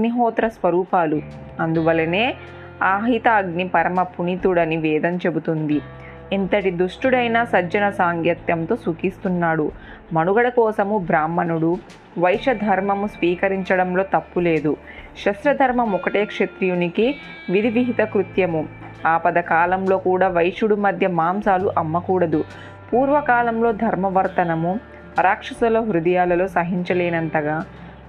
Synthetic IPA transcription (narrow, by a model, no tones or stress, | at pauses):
ɐɡniɦɔːt̪ɾɐsʋɐɾuːpaːlu | ɐnd̪uʋɐlːɐne̞ː | aːɦit̪aːɡnipɐɾɐmɐpunit̪uɽɐniʋɛːd̪ɐmt͡ʃe̞but̪und̪i | int̪ɐʈid̪uʂʈuɽɐjnaːsɐd͡ʒɐnɐsaːŋɡjɐt̪jɐmt̪oːsukist̪unːaːɽu | mɐnuɡɐɽɐkɔːsɐmubɾaːmːɐnuɽu | ʋɐjʂɐd̪ʱɐɾmɐmusʋiːkɐɾiɲt͡ʃɐɽɐmlo̞ːt̪ɐpːule̞ːd̪u | ʃɐsɾɐd̪ʱɐɾmɐmɔkɐʈe̞ːkʂet̪ɾijuniki | ʋid̪ʱiʋiɦit̪ɐkɾut̪jɐmu | aːpɐd̪ɐkaːlɐmlo̞ːkuːɽaːʋɐjʂuɽumɐd̪ʱjɐmaːmsaːluʔɐmːɐkuːɽɐd̪u | puːɾʋɐkaːlɐmlo̞ːd̪ʱɐɾmɐʋɐɾt̪ɐnɐmu | pɐɾaːkʂɐsɐlɐɦuɾud̪ɐjaːlɐlo̞ːsɐɦiɲt͡ʃɐleːnɐnt̪ɐɡaː